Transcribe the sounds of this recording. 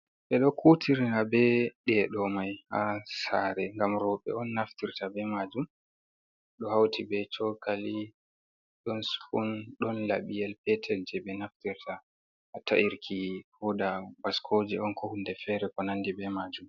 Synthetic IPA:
ʔɛɗɔkʰutʰiɾnabɛɗɛɗɔmajhasaɾɛŋɡamɾɔɓɛ̰ɔnːaftiɾtabɛmad͡ʒum | ɗɔhawtʰibɛt͡ʃɔkali | ɗɔnsfunɗɔnla̰ɓijɛlpɛtʰɛkd͡ʒɛbɛnaftiɾtʰaː | ta̰ʔiɾkʰihɔdabaskʰod͡ʒɛɔnkɔhunːdɛfɛɾɛkɔnandibɛmad͡ʒum

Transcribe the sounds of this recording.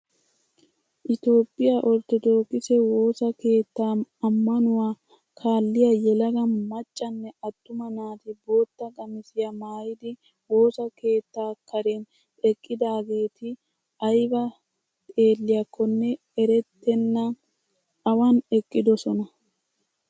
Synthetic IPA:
ʔɪt̪o̞ːpʼːɪjaʔɔɾt̪ːɔd̪o̞ːkʼːɪsɛwo̞ːsɐke̞ːt̪ːaːɐmːɐnʊwaː | kʰaːlːɪjɐjɛlɐɡɐnmɐt͡ʃʼːɐnːɛɐt̪ːʊmɐnaːt̪ɪbo̞ːt̪ːɐɡʼɐmɪsɪjɐmaːjɪd̪ɪ | wo̞ːsɐke̞ːt̪ːaːkʰɐɾɛn | ɛkʼːɪd̪aːɡe̞ːt̪ɪ | ʔɐjbɐ | t̪ʼe̞ːlːɪjɐkʰːɔnːɛ | ɛɾɛt̪ːɛnːɐ | ɐwɐnɛkʼːɪd̪ɔsɔnɐ

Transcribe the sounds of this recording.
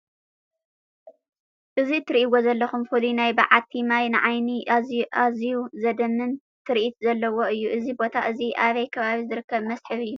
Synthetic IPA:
ʔɨzit̪ʰɨɾiʔiwozɐlːɐxumfulinajbaʕat̪ʰimajnɨʕajniʔaziuzɐd̪ɐmɨn | t̪ʰɨɾiʔit̪zɐlːɐwo̞ɨjːuʔɨzibo̞t̪ʰaʔɨziʔaβɐjkʰɐβaβizɨɾɨkʰːɐβmɐsħɨβɨjːu

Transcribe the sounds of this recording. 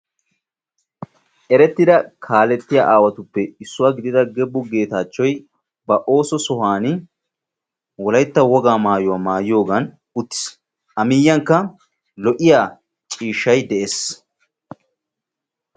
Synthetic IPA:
ʔɛɾɛt̪ːɪd̪ɐkʰaːlɛt̪ːɪja̰ːʔaːwɐt̪ʊpːɛɪsːʊwaːɡɪd̪ɪd̪ɐɡɛbːʊɡe̞ːt̪aːt͡ʃːɔj | bɐʔo̞ːsɔsɔɦaːnɪ | wɔlɐjt̪ːɐwɔɡaːmaːjʊwamaːjjo̞ːɡɐn | ʊt̪ːɪ̥s | ʔɐmɪjːɐŋkːɐ | lɔʔɪjaː | t͡ʃʼiːʃːɐjd̪ɛʔes

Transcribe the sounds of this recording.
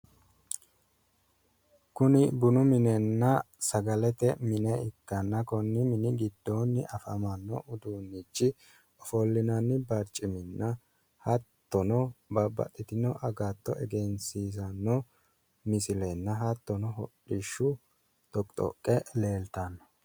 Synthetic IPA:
kʊnɪbʊnʊmɪnɛnːɐsɐɡɐlɛt̪ɛmɪnɛɪkːɐnːɐkɔnːɪmɪnɪɡɪd̪ːonːɪʔɐfɐmɐnːɔʔʊd̪uːnːit͡ʃːɪ | ɔfɔlːɪnɐnːɪbɐɾt͡ʃʼːɪmɪnːɐ | hɐt̪ːɔnɔbɐbɐ̰t̪ʼːɪt̪ɪnɔʔɐɡat̪ːɔʔɛɡɛnsiːsɐnːɔ | mɪsɪlɛnːɐɦɐt̪ːɔnɔɦɔᶑɪʃːʊ | t̪ɔkʼt̪ʼɔ̰kʼːɛle̞ːlt̪ɐn

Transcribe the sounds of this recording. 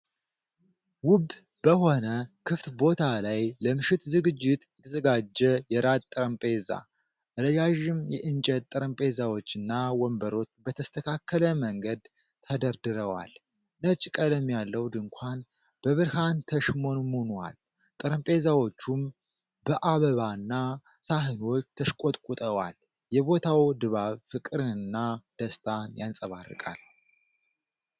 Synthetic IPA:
wʊb | bəho̞nəkʰɨft̪bo̞t̪ʰalajləmɨʃɪt̪zɨɡɨd͡ʒːɪt̪jɛt̪ʰəzəɡad͡ʒːɛjɛɾat̪t̪ʼɨɾəmpʼeza̰ | ʔɨɾəjaʒɪmjɛʔɨnt͡ʃʼət̪t̪ʼːɨɾəmpʼe̞zawo̞t͡ʃːɨnːawɔmbəɾo̞t͡ʃːbət̪ʰəst̪ʰəkʰakːələməŋɡəd̪ | t̪ʰəd̪əɾd̪ɨɾəwa̰l | nət͡ʃʼkʼələmːjalːəwd̪ɨŋkʷʰan | b̥əβɨɾhant̪ʰəʃmo̞nmonwa̰l | t̪ʼɨɾəmpʼe̞zawo̞t͡ʃːum | bəʔaβəβanːa | saɦɨnwo̞t͡ʃːt̪ʰəʃkʷʼot̪ʼkʼut̪ʼəwal | jɛβo̞t̪ʰawd̪ɨβaβfɨkʼɨɾɨɨnːad̪̥əst̪ʰanjansʼəβarːɨ̰kʼa̰l

